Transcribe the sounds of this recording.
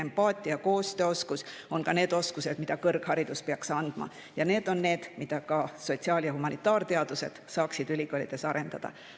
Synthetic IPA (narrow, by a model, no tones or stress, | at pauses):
empɑːt̪ʲˑiɑko̞ːst̪øːo̞skuso̞nkɑne̞ːd̪o̞skuse̞d̪̥mid̪̥ɑkɤrɡ̥hɑɾid̪̥uspeɑksɑnd̪̥mɑ̰ | jɑne̞ːd̪o̞nːe̞ːd̪̥mid̪̥ɑkɑso̞t̪ʲsiɑːljɑhumɑnit̪ːˑɑːrt̪e̞ɑd̪̥use̞d̪̥sɑːksid̪ylʲikoːlid̪̥e̞sɑɾe̞nd̪̥ɑ̰d̪̥ɑ̰